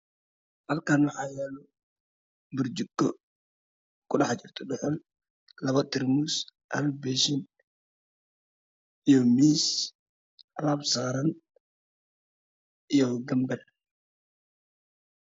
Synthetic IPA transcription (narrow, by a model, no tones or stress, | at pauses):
hɐlkaːnwɑħaːjɛːlɔ | bʊɾd͡ʒuɡːɔ | kʊɗɑħt͡ʃɪrt̪ʰɔɗɔħɔl | lɐβɐt̪ɪɾmusʔɐ̰lbɛʃɪn | ijɔmiːs | ɐlabsaːɾɐn | ʔɪjɔɡɐmbɛl